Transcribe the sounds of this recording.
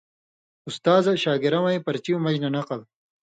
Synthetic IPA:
ust̪aːzɐɕaːɡiɾɐwaipɐɾt͡ɕiumɐd͡ʑnɐnɐqɐl

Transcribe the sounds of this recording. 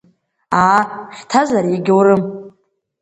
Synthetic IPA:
aħtʰazaɾiɡʲɪwɾɨm

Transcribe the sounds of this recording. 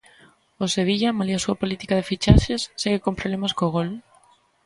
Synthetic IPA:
oseβ̞iʎamaliasuapolit̪i̥kaðefit͡ʃaʃesːeɣekompɾoβlemaskoɣ̞ol

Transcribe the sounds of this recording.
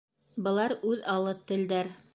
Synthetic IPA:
bɤ̆lˠɑɾʉðɑlˠɤt̪ɘ̆ld̪æɾ

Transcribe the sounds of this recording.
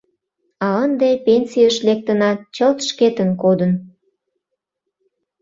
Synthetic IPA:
ɑənd̪epensijəʃlek̚t̪ənɑt͡ɕəlt̪ʃket̪ənkod̪ən

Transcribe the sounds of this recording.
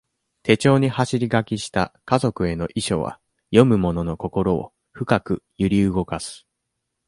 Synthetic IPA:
t̪e̞t͡ɕo̞ːɲ̟ihaɕiɾʲiɡakʲiɕi̥t̪akazo̞kɯ̟e̞no̞ʔiɕo̞̰βa̰ | jo̞mɯ̟mo̞no̞no̞ko̞ko̞ɾo̞̰ː | ɸɯ̟kakɯ̟jɯɾʲiɯɡo̞kasɨ̥

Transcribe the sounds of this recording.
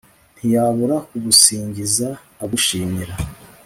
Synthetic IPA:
n̥hijaβuɾakuβusiːɲɟizaː | βuʃiːmiɾa

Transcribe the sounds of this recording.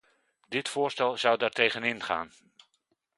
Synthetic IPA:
dɪtfʊːɹstɛlˠzʌwdaːɹtejχənɪnχa̰ːn

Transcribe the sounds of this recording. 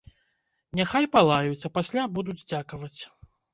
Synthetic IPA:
nʲaxajpalˠajut͡sʲɐpasʲlʲabud̪ud͡zʲd͡zʲakɐvɐt͡sʲ

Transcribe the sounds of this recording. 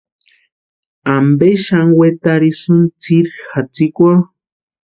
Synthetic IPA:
ambeʃaŋwet̪aɾisɨnt͡siɾxat͡sikʷoɾ

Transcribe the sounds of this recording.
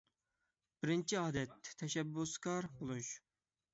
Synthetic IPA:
b̥ɪɾɪnt͡ʃʰiɑːd̪ɛt̪ʰːɛʃɛbːuskɑɾbolˠuʃ

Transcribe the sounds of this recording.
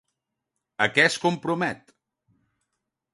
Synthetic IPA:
əkɛskumpɾumɛt̪

